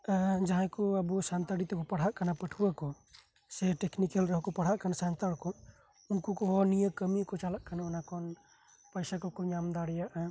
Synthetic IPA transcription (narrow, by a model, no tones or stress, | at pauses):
d͡ʒaɦãkɔabusant̪aɽit̪ɔkɔpaɽ̤aʔkanapəʈʰuakɔ | sɛʈɛknikelɾɔɦɔkɔpaɽ̤aʔkanasant̪aɽkɔ | unkukɔɦɔnijəkəmikɔt͡ʃalaʔkanaɔnakɔn | pəjsakɔkɔɲamd̪aɽjaʔa